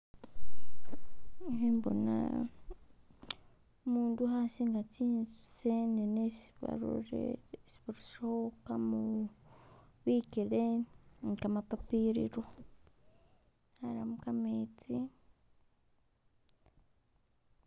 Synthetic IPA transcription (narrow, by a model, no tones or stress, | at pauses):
embo̰na̰ | muːnduɦasiŋɡat͡siːn | senenesβa̰ɾo̰ɾḛsi̥βuɾuʃaokamu | βikeleŋkamapapiɾḭɾo | haɾamukamet͡si